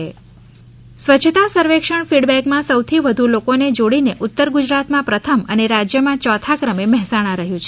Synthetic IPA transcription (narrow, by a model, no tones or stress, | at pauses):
sʋət͡ʃʰt̪asəɾʋekʂəɳfiɽbɛkmãsəwt̪ʰiʋəd̪ʱulokoned͡ʒoɽineʔʊt̪ːəɾɡud͡ʒɾat̪mãpɾət̪ʰəməneɾad͡ʒjəmãt͡ʃɔt̪ʰakɾəmeməɦsaɽ̃ãɾəɦjũt͡ʃʰe